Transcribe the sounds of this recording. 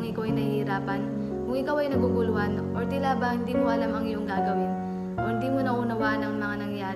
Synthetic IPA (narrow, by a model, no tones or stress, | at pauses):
ŋɪkawʔɐjnɐhihɪɾaːpɐn | kʊŋʔɪkawɐjnɐɡuɡʊlʊanʔoɹt̪ɪlabɐhɪnd̪iːmoɐlamɐŋjʊŋɡaːɡɐwɪn | ʔohɪnd̪iːmonɐʔunɐwaʔnɐŋmɐŋanɐŋjaː